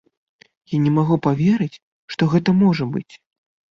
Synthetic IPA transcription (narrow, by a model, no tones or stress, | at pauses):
janʲɛmaɣupavʲeɾɨt͡sʲ | ʂt̪ɔɣɛt̪ɐmɔʐɐbɨt͡sʲ